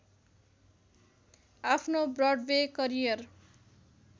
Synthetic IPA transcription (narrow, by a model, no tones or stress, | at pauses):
apʰnobrʌɖwekʌɾijʌr